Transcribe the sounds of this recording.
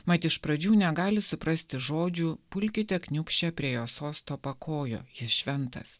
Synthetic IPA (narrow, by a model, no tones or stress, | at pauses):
mɐt̪ʲɪʃpɾɐd͡ʒʲuːnʲɛɡɑːlʲɪsʊpɾɐsʲt̪ʲɪʒoːd͡ʒʲuːpʊlʲkʲɪt̪ʲɛknʲʊpʲʃʲt͡ʃʲɛpʲɾʲiɛjoːsoːst̪oːpɐkʰoːjo̰ːjɪsʃʲʋʲɛnt̪ɐ̰s